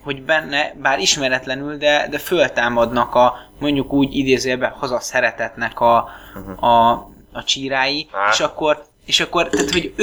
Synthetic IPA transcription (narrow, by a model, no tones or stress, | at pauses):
ho̞ɟbɛnːɛbaːɾiʃmɛɾɛt̪lɛnyld̪ɛd̪ɛfølt̪aːmɒd̪nɒkɒ | mo̞ɲɟukuːɟid̪eːzeːbɛhɒzɒsɛɾɛt̪ɛt̪nɛkɒ | ɒ | ɒt͡ʃiːɾaːjieːʃɒkːo̞r | eːʃɒkːo̞rt̪aːt̪ho̞ɟ